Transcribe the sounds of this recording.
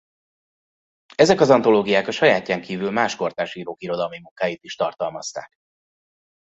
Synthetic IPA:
ɛzɛkɒzɒnt̪o̞loːɡijaːkɒʃɒjaːcːaːŋkʰiːvylmaːʃko̞rt̪aːʃiːɾoːkiɾo̞d̪ɒlmimuŋkaːjiːt̪iʃt̪ɒrt̪ɒlmɒst̪a̰ːk

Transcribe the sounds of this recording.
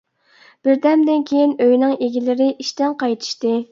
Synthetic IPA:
b̥ɪɾd̪ɛmd̪ɪnkʲʰejinøjnɨŋeɡʲilɪɾɪʔiʃt̪ɛnqɑjt̪ʰɨ̥ʃt̪ɨ

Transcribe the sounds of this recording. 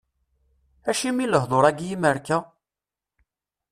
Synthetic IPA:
æʃimiləɦðˤoɾˤæɡjiməɾkæ

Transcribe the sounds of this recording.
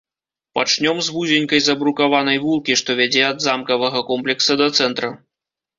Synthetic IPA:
pat͡ʂnʲɔmzvuzʲenʲkɐjzɐbɾukavanɐjvulˠkʲiʂt̪ɔvʲad͡zʲɛɐd̪zamkɐvɐɣɐkɔmplʲɛksɐd̪ɐt̪sɛnt̪ɾɐ

